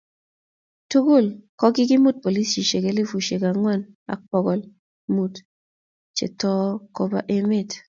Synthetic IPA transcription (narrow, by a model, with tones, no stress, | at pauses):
tu˦ɡo˦˨lkɔ˦ɡɪ˦ɡɪ˦mu˦t̚po˨li˦st͡ʃi˨ʃe˨ɡe˦li˦fu˨ʃe˨ɡa˨ŋwɛ˦˨n | a̰˨k͡pɔ˨ɡɔ˨l | mu˦˨t | t͡ʃḛ˨tɔ˦ko˦ba̰˦ʔe˦mɪ˦˨t